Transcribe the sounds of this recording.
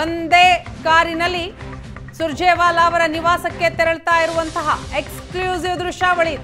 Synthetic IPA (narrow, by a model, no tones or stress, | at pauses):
ond̪eːkaːɾinɐlːi | suɾd͡ʒeːʋaːlaːʋɐɾɐniʋaːsɐkːe̞t̪ɛɾɐɭt̪aːjiɾuʋɐnt̪ɐɦɐekskljuːziʋd̪ɾuʃaːʋɐɭit̪